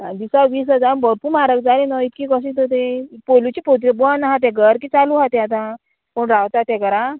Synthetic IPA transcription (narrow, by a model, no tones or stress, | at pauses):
ad̪isaʋiːs̬ɦəd͡zanbəɾpumaɾək̚d͡zaɾenɔit̪kikɔs̬ĩt̪ʰot̪̬epolut͡ɕipot̪ɾebɔanaɦãt̪̬ɛ̃ɡəɾkiːt͡saluɦat̪eat̪̬ã | poɳɾawt̪at̪ɛ̃kəɾã